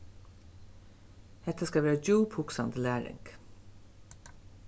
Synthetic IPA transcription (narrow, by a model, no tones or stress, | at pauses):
hɛt̪ʰəskɑʋæːɹd͡ʒuːphʊksɑnd̪əlæːɾɪ̰ŋk